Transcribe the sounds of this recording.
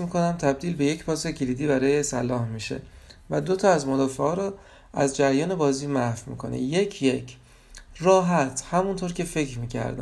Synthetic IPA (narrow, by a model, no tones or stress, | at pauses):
smiːkʰo̞næmt̪ʰæb̚d̪iːlbe̞je̞cʰpɒːse̞cʰeliːd̪iːbæɾɒːjesælːɒːhmiːʃe̞̰væd̪ot̪ʰɒæzmod̪ɒːfeʔɒːɾɒ | ʔæzd͡ʒæɾjɒːne̞bɒːziːmæhfmḭːkʰo̞̰nḛje̞cʰjecʰ | rɒːɦæt̪ʰhæmunt̪ʰoːɾcʰe̞fe̞cʰɾmiːcʰæ̰ɾd̪æ̰